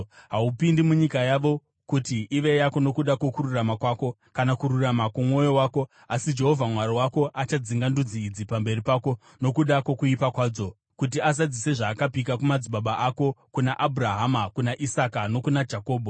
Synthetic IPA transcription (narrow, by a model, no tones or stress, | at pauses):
ɦaupindimuɲikajaʋo̞ | kutiʔːʋe̞jako̞no̞kuɗako̞kuɾuramakwaːko̞ | kanakuɾuramakumwo̞jo̞waːko̞ | asid͡ʒe̞ɦo̞vʱamwaɾiwako̞ʔat͡ʃad͡ziŋɡandud͡ziːd͡zipambe̞ripaːko̞ | no̞kuɗako̞kuipakwaːd͡zo̞ | kut̬iazad͡zise̞ʐaːkapik̬akumad͡ziɓaɓaʔako̞kunaʔabʱuraɦamakunaʔisakano̞kunad͡ʒako̞ːɓʱo